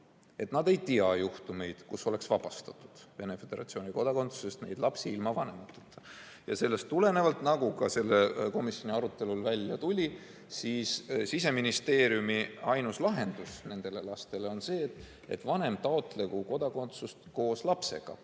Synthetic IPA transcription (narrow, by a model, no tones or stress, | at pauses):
e̞t̪nɑd̪e̞jt̪iɑjuht̪ume̞jd̪̥kuso̞le̞ksvɑb̥ɑst̪ɑt̪ːˑud̪̥ve̞ne̞fe̞d̪̥e̞ɾɑ̰t̪sio̞ːnʲiko̞d̪ɑkont̪su̥se̞st̪ne̞jd̪̥lɑpsiilmɑvɑne̞mɑt̪ːˑu̥t̪ːɑ | jɑ̰se̞lːe̞st̪ːule̞ne̞vɑlt̪nɑɡ̥ukɑse̞lːeko̞misjo̞niɑɾut̪ːˑe̞lulvælʲjɑt̪ulʲi | siːssis̬e̞minist̪e̞ːɾijumiɑjnuslɑɦe̞nd̪̥usne̞nd̪̥e̞le̞lɑst̪e̞le̞o̞nse̞ːt̪ː | ḛt̪vɑne̞mt̪ɑot̪ˑlekuko̞d̪̥ɑko̞nt̪sust̪ko̞ːslɑpse̞̰ɡ̥ɑ̰